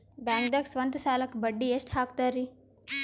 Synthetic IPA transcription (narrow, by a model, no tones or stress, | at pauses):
baːŋɡ̚d̪ɐksʋɐnt̪saːlɐkbɐɖːieːʂʈhaːk̚t̪aːɾi